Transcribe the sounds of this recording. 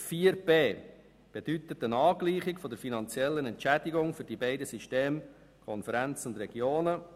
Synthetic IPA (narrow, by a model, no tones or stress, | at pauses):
fiəɾpeː | b̥ed̥̪yt̪ət̪ənɑːɡliːχɪkfɔd̪əɾfinɑnt͡sjɛlːənɛntt͡ʃædiɡʊŋfʏɾd̥ibeɪdəsiʃteːm | kʰɔnfəɾænt͡sʊnd̪ɾɛɡjoːnə